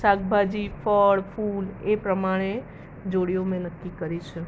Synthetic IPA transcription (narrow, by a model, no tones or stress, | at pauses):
saɡ̚bʱad͡ʒifʰəɭpʰulepɾəmaɽ̃e | d͡ʒoɽijomẽnəkːikəɾit͡ʃʰe